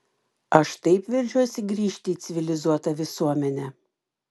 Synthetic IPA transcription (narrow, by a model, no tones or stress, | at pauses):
ɐʃt̪ɐɪpʋʲɪɾʲd͡ʒʲusʲɪɡɾʲiːʃʲt̪ʲɪːt̪sʲɪʋʲɪlʲɪzuɔt̪ɐʋʲɪsuɔmʲɛnʲɛ